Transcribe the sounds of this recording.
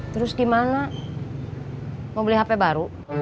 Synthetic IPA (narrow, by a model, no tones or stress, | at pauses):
t̪əɾʊsɡimana | mobiliɦapɛbaɾu